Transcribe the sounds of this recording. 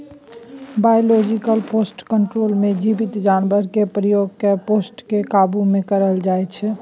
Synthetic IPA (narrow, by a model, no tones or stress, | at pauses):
bajolɔd͡ʒikəlpʰosʈkəɳʈɾolmed͡ʒibit̪d͡ʒanbəɾkepɾəjoɡkeposʈkekabumekəɾəld͡ʒaɛt͡ʃʰɛ